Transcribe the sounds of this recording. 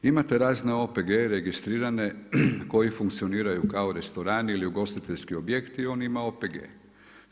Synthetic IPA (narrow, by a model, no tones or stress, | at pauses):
imat̪e̞ɾaːzne̞o̞peɡeɾeɡist̪ɾiːɾane̞ko̞jifuŋkt̪sio̞niːɾajukao̞ɾe̞st̪o̞ɾaːniiliuɡo̞st̪it̪eʎʲskio̞bjekt̪iːo̞ːnimao̞ːpeɡḛː